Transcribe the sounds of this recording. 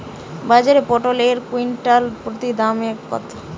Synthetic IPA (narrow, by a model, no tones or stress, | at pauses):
bad͡ʑaɾepɔʈoleɾkuinʈalpɾot̪id̪amk̚pɔ̰t̪o